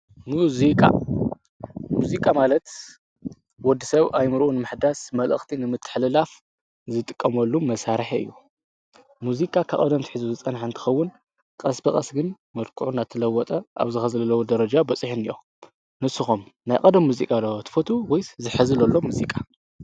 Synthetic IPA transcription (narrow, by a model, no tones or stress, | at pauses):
muzikʼa̰ | muzikʼamalɐt̪ | wɔd̪ːisɐβajmɨɾʔunɨmɨħd̪asmɐlʔɨ̰xt̪ʰinɨmɨt̪ʰːɨ̥ħlɨlaf | zɨt̪ʼɨkʼːɐmɐlːumɐsaɾħɨ̰jːu | muzikʼakʰɐkʼɐd̪ɐmt̪ʰi̥ħɨzuzɨt͡sʼɐnħaɨnt̪ʰɨ̥xɐwːʊn | kʼɐsbɐkʼɐsɡɨn | mɐlkʰuʕunat̪ʰɨlɐwːɔt̪ʼɐʔa̰βzɨxɐzlɐlɐwud̪ɐɾɐd͡ʒabɐt͡sʼɨħunijo̰ | nɨsɨxomnajkʼɐd̪ɐmːuzikʼalːɐwt̪ʰɨ̥fot̪ʰuwɔjzɨħɨzɨlɐlːomuzikʼa